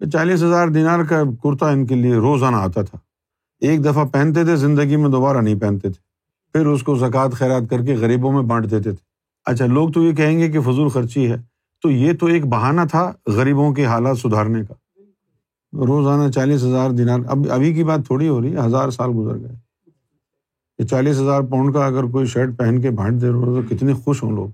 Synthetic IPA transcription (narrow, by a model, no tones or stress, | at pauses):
t͡ʃaːliːs̬ɦɐzaːɾd̪inaːɾkakʊɾt̪aɪnkelieɾoːzaːnaːt̪at̪ʰaː | eːk̚d̪ɐfapɛ̃ːnt̪et̪ʰezɪ̃nd̪əɡimẽd̪oːbaːɾanɐɦĩpɛ̃ːnt̪et̪ʰe̥ | pʰɪɾʊskozɐkaːt̪xɛːɾaːt̪̚kɐɾk̬eɣɐɾiːbõmẽbɐ̃ɳɖd̪eːt̪̬et̪ʰe̥ː | ɐ̰tːʃʰaloːɡ̚t̪ojek̬ɛɦẽːŋɡek̬efʊzuːlxɐɾt͡ʃiɦɛː | t̪ojet̪oeːk̚bɐɦaːnat̪ʰaɣɐɾiːbõk̬eɦaːlaːt̪sʊd̪ʱaːɾnekaː | ɾoːzaːnat͡ʃaːliːs̬ɦɐzaːɾd̪ɪnaːɾɐ̰bɐ̰bʱik̬ibaːt̪ʰːoːɽiɦoːɾəiɛɦɐzaːɾsaːlɡʊzə̰ɾɡɐe | jet͡ʃaːliːs̬ɦɐzaːɾpɔ̃ːɳɖkaɐɡəɾk̬oːiʃeːʈ̚pɛɦənk̬ebʱɐ̃ʈ̚ʰd̪eːɾoat̪okɪt̪nexʊʃɦõ̰ːlo̰ːɡ